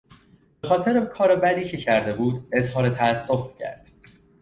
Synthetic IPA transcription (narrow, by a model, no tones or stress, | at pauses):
b̥exɒːt̪ʰe̞ɾekʰɒːɾebæd̪iːcʰe̞cʰæɾd̪e̞buːd̪e̞zɦɒːɾet̪ʰæːsːo̞fcʰæ̰ɾd̪̥